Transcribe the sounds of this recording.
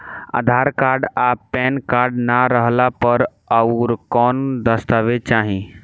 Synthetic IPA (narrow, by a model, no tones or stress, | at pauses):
a̰d̪ʱaɾkaːɾɖapːɛnkaɾɖnaɾəɦlapəɾ | əʊɾkɔːnd̪əst̪aʋet͡ʃaːɦĩ